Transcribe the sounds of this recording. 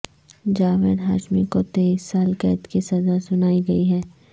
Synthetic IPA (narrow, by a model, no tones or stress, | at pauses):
d͡ʒaːʋeɾɦaːʃmikot̪eiːsːaːlkɛ̰ːt̪kisɐzasʊnaːiɡɐiɦɛː